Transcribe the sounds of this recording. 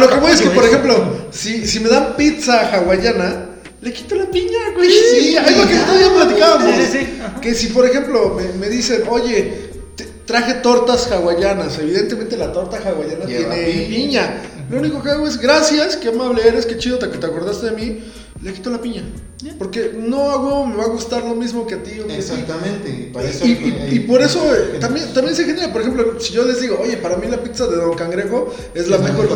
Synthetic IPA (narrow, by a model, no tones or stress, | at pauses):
lokemweeskepoɾexe̞mplosisime̞ðampit̪t͡saxaɣwaʝana | le̞ki̥t̪olapiɲasiajɣokenot̪oaðiaplat̪ikaβamoskesipo̞ɾexe̞mplomeme̞ðise̞noʝe | t̪et̪ɾaxe̞t̪o̞ɾt̪asxawaʝanase̞β̞iðe̞nt̪ement̪̬elat̪oɾt̪axaɣwaʝanat̪j̪ejenepiɲalouniko̞keaɣo̞e̞zɣɾasjaskeamaβleeɾeske̞t͡ʃiðot̪̬aket̪eako̞ɾðast̪e̞ðemi | leki̥t̪o̞lapiɲa | poɾke̞no̞aɣome̞βaɣust̪aɾlo̞mizmo̞ke̞at̪ionsit̪mẽnt̪eeiipo̞ɾe̞sot̪ambjent̪ambje̞nsexeneɾapo̞ɾexemp̬losiʝo̞le̞zðiɣo̞oʝe̞paɾamilapit̪saðe̞ðo̞ŋkaŋɡɾeɣo | e̞zlamexoɾ